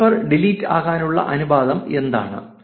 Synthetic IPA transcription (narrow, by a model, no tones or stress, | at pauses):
ɐrɖiliːtːa̰ːɣaːnuɭːɐ̰ʔɐnubaːd̪ɐme̞nd̪a̰ːɳɨ̰